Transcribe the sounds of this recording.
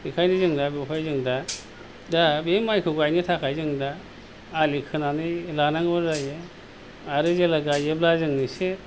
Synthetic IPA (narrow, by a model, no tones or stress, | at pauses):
ikʰajnizɯŋdabepʰajzɯŋda | dabemajkʰɯɡajnitʰakʰajzɯŋdaː | likʰɯnanɯlanaŋbɯzaje | aɾɯzelaɡajeblazɯŋnise